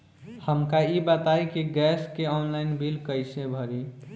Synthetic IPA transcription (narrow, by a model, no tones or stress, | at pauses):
həmkaibət̪ajkiɡɛskeɔnlajnbʱilkəjsẽbʱəɾi